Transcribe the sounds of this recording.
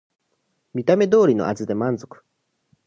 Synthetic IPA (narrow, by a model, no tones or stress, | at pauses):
mʲit̪ame̞d̪o̞ːɾʲino̞̰ʔazɨd̪e̞mãnzo̞kɯ̥